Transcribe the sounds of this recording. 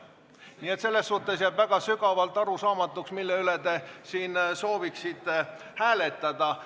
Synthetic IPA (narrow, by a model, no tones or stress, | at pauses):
niːe̞t̪se̞lːe̞sːuht̪ːˑe̞sjæːbvæɡ̥ɑsyɡɑvɑlt̪ːˑɑɾusɑːmɑt̪ːˑuksmilːeyle̞t̪e̞siːnso̞ːviksit̪hæːle̞t̪ˑːɑd̪̥ɑ